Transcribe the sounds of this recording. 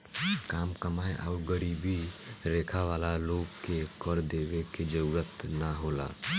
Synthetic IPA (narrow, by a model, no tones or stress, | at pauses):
kaːmkəmaːeʔa̰ʊɾɡəɾibiɾeːkʰaʋaːlaloːɡkekəɾd̪eːʋeked͡ʒəɾuɾət̪naɦoːla̰